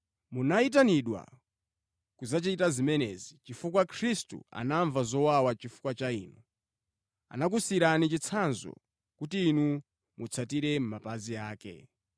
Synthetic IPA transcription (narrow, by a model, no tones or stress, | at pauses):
munait̬aniɗwa̰ | kuzat͡ʃiitazimɛnɛzit͡ʃifukwakʰɾistṵa̰naɱvazɔwawat͡ʃifu̥kwat͡ʃaḭːnu | a̰nak̬usiɾanit͡ʃit͡sʰanzɔ̰ | kutiːnu | mut͡sʰatiɾɛm̩mapaziaːkɛ̰